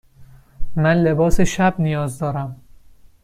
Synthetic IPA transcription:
mænle̞bɒːseʃæb̚nijɒːzd̪ɒːɾæm

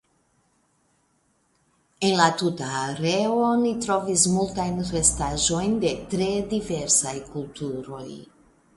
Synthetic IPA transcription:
e̞nlatutaːɾe̞onitɾo̞vismultajnre̞staʒo̞jnde̞tɾe̞dive̞ɾsajkultuɾo̞j

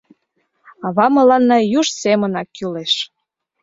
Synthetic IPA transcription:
ɑβɑmə̆lɑnːɑjuʃsemənɑkːyleʃ

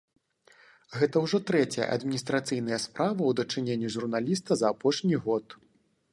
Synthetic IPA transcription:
ɣɛt̪ɐwʐɔt̪ɾɛt͡sʲɐjɐ̰ʔɐ̰d̪mʲinʲist̪ɾat̪sɨjn̪ɐjɐspɾavɐwd̪ɐt͡ʂɨnʲenʲːiʐurnalʲis̬t̪ɐzɐːpɔʂnʲiɣɔt̪

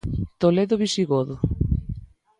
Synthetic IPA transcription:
t̪oleðʊβisiɣoðʊ

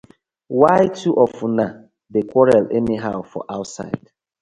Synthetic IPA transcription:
waɪtʰuʔɔfuna | dekʷɔɹalɛniɦaʊfɔ̰ʔaʊtsa̰ɪd̥

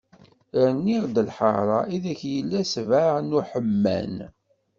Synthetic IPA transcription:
nːiʁd̪əlħəɾˤɑiðæçjəlːæsvaʕnuħəmːæ̰n

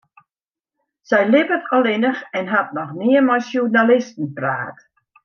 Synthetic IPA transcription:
sɛjlɪpətɔlˠɪnəxɛnɦat̚nɔxniəmajsjurnalɪstn̩pra̰ːt

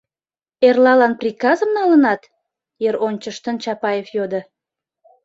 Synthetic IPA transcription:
erlɑlɑnprʲikɑzəmnɑlənɑt̪ | jeɾonʲt͡ɕəʃt̪ənt͡ɕɑpɑjefjod̪ə̆

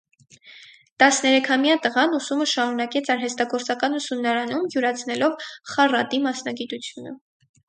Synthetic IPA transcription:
t̪ɑsnɛɾɛkʰɑmjɑt̪əʁɑnusuməʃɑɾunɑkɛt͡sʰɑɾɦɛst̪ɑɡɔɾt͡sɑkɑnusumnɑɾɑnumjuɾɑt͡sʰnɛlɔvχɑrɑt̪imɑsnɑɡit̪ut͡sʰjunə̰

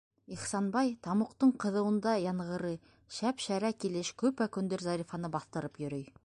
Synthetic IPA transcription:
iχsɑnbɑjt̪ʰɑmuqt̪əɴqʰə̆ðɤ̆wə̆nd̪ɑjɑɴʁɤ̆ɾə | ʃæpʃæɾækʲʰeleʃkʲʰɵpækʲɵnd̪eɾzɑɾifɑnəbɑθt̪ə̆ɾəpjɵ̆ɾej

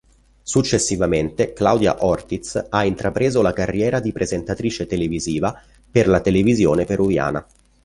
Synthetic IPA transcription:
sut͡ʃːesːivament̪eklawd̪ja̰ʔɔrt̪it̪saint̪ɾapɾeːzolakarːjɛːɾad̪ipɾʔezent̪at̪ɾiːt͡ʃet̪eleviziːva | perlat̪elevizjoːnepeɾuvja̰ːna̰

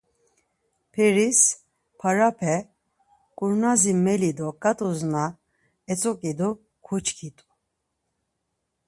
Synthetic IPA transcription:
pʰɛɾis | pʰaɾapʰɛ | kʼuɾnazimɛlid̪ɔkʼat̪ʼuzna | ɛt͡sʼɔkʼid̪ɔ | kʰut͡ʃkʰit̪ʼu̥

